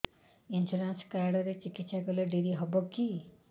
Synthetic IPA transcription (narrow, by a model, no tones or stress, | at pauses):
insuɾanskɾaɾɖɔɾet͡ʃikit̪saɡɔleɖiɾiɦɔboki